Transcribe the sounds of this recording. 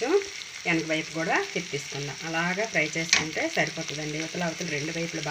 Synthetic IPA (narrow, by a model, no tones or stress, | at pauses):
u | ɛnɐkɐʋɐjpukuːɽaːt̪ipt̪iːsu̥kund̪a̰ːʔɐlaːɡaːpɾɐjt͡ʃe̞ːsu̥kuɳʈe̞ːsɐɾipoːt̪ɐd̪ɐɳɖiʋɐt̪ɐlɐʋɐt̪ɐluɾe̞ɳɖuʋɐjpulub